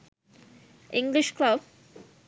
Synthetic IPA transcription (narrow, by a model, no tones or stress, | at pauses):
ɪ̃ŋɡliʃklʌb